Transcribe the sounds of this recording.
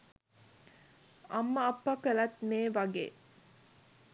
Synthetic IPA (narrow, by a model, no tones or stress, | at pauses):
ɐmːəɐpːɐkəlɐt̪meːʋɐɡḛː